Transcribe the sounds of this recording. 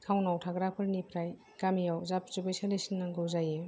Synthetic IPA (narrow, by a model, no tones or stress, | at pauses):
kʰawnawtʰaɡɾapʰɯɾnipʰɾaj | kamijawzap̚zubejsalesinːaŋɡɯwzaje